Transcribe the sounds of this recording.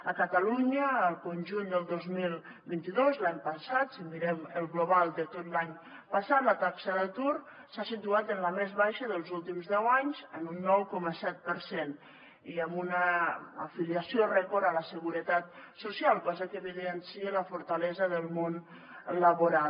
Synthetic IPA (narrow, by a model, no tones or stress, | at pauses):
əkət̪əluɲəːlˠkunʲʒund̪əlˠd̪ozmilˠ | bint̪iðozlaɲpəsat̪simiɾɛməlˠɣluβalˠd̪ət̪ot̪laɲ | pəsat̪lət̪aksəðət̪uɾ | sasit̪uat̪ənləmezβajʃəðəlˠzulˠt̪imzðɛwaɲzənunːɔwkɔməsɛt̪̚pəɾsen | iəmbunə̰ːfiliəsiorɛkoɾələsəɣuɾət̪at̪̚susialˠkɔzəkəβiðənsiələfuɾt̪əlɛzəðəlˠmon | ləβuɾal